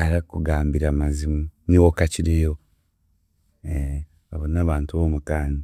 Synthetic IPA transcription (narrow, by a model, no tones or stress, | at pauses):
aɾakuɡaːmbiɾamazimuniwokaciɾejo | e | βaβonaːβaːntuβoːmukaːni